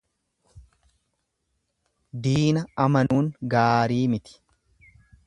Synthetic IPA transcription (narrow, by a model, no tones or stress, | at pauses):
d̪iːnɐɐmɐnuːŋɡaːɾiːmɪt̪ɪ̥